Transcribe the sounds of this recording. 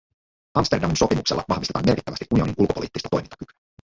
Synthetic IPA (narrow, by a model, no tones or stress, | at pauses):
ɑmst̪e̞rdɑminso̞pimṵkselːɑ̰ʋɑ̰hʋist̪eɑ̰ːme̞rkit̪ːæʋæstiʔunioninʔulkopo̞liːt̪ːist̪ɑt̪o̞jmint̪ɑ̥kyky̥æ